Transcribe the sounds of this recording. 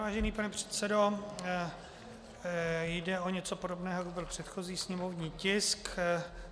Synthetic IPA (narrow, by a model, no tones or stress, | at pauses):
vaːʒɛniːpanɛpr̝̥ɛ̥t̪t͡sɛdo̞ | jdɛo̞ɲɛt͡so̞podobnɛːɦoakubɪlpr̥ɛt̪xo̞ziːsɲɛmovɲiːcɪsk